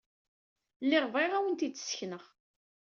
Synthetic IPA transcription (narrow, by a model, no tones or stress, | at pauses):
lːɪʁveʁæwənt̪id̪ə̥sçnəʁ